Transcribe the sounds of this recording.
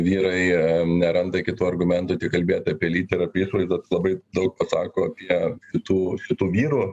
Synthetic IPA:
ʋʲiːɾɐɪnʲɛɾɐnd̪ɐɪkʲɪt̪uːɐrɡʊmʲɛnt̪ʊːt̪ʲɪkɐlʲbʲeːt̪ɐɐpʲiɛlʲiːt̪ʲɪɾɐpʲːiʃʋɐɪzd̪ɐt̪lˠɐbɐɪd̪ɐʊk̚pɐsɑːkoːɐpʲiɛʃʲɪt̪uːʃʲɪt̪uːʋʲiːɾuː

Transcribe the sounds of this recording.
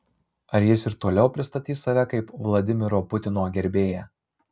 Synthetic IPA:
ɐɾjɪsɪɾt̪oːlʲɛʊpʲɾʲɪst̪ɐt̪ʲiːsɐʋʲɛkɐɪpʋlˠɐd̪ʲɪmʲɪɾoːpʊt̪ʲɪnoːɡʲɛɾʲbʲeːjɛ

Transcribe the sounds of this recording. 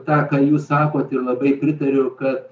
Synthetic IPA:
t̪ɑːkɑːjuːssɑːkoːt̪ɪrlˠɐbɐɪpʲɾʲɪt̪ɐɾʲʊkɐt̪

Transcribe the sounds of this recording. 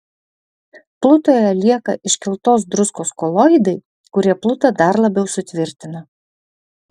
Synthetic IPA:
plˠʊt̪oːjɛlʲiɛkɐ̰ʔɪʃʲkʲɪlˠt̪oːsd̪ɾʊskoːskolˠojɪd̪ɐɪ | kʊɾʲiɛplˠʊt̪ɐd̪ɐɾlˠɐbʲɛʊsʊt̪ʲʋʲɪɾʲt̪ʲɪnɐ

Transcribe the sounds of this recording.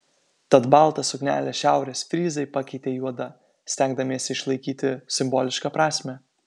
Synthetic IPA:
t̪ɐt̪bɑˑlˠt̪ɐsʊknʲæ̰ːlʲeːsʃʲæˑʊɾʲeːsfʲɾʲiːzɐɪpɑkʲɛɪt̪ʲeːjuɔd̪ɐ | sʲt̪ʲæŋɡd̪ɐmʲiɛsʲɪʃlˠɐɪkʲiːt̪ʲɪsʲɪmbɔːlʲɪʃkɑpɾɑːsʲmʲɛ

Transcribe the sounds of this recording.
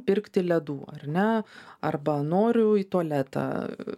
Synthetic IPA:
pʲɪrkt̪ʲɪlʲɛd̪uːɐ̰rʲnʲɛɐrbɐnoːɾʲʊiːt̪uɔlʲæːt̪ɐ̰ː

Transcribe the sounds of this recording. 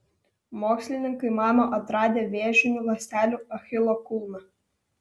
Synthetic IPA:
moːksʲlʲɪnʲɪŋkɐɪmɑːmoːʔɐt̪ɾɑːd̪ʲeːʋʲeːʒʲɪnʲʊlɐsʲt̪ʲæːlʲuːɐxʲɪlˠokʊlˠnɐ

